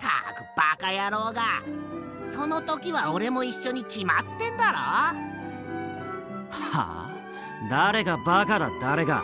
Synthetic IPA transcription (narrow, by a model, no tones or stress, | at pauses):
t̪ʰa̰kɯ̟̥b̥akajaɾo̞ːɡa | so̞no̞t̪o̞kʲiβao̞ɾe̞mo̞iɕːo̞ɲ̟ikʲimat̪ːẽ̞nd̪aɾa | ha̰ | d̪aɾe̞ɡabakad̪ad̪aɾe̞ɡa̰